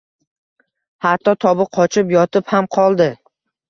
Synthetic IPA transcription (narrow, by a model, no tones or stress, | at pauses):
hat̪ːɒt̪ʰɒbɪqʰɒt͡ʃʰɪpjɒt̪ʰɪphamqʰɒlˠd̪ɪ